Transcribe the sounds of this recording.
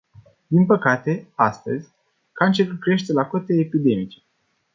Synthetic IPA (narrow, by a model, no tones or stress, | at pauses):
d̪inpəkat̪e̞ast̪ə̰zʲ | kant͡ʃeɾukɾe̞ʃt̪e̞lakot̪eːpid̪e̞mit͡ʃe̥